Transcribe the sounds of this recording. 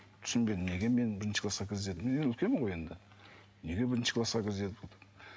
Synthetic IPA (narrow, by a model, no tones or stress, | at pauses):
t̪ʰʏ̥sɪnbe̞d̪ɪmne̞ɡʲeme̞nbɪɾɪnʃə̥kʰlˠɑsqɑkʲʰezed̪ɪmeneɡeʏlkʲemɪɴʁoje̞nd̪ɪ | ne̞ɡʲe̞bɪɾɪnʃə̥kʰlˠɑsqɑkʲʰɪɾze̞t̪ɪpolˠd̪ə